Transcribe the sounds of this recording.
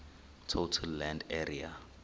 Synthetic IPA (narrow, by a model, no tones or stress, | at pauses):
tʰotʰɛlːɛ̃ndɛria